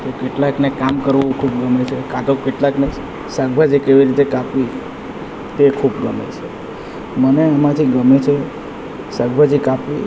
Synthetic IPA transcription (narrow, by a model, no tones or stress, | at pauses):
t̪okeʈlaknekamkəɾʋũkʰub̚ɡəmet͡ʃʰekat̪okeʈlakne | səɡbʱad͡ʒikeʋiɾit̪ekapʋi | t̪ekʰubɡəmḛt͡ʃʰe | məneamãt̪ʰiɡəmet͡ʃʰe | səɡbʱad͡ʒikapʋi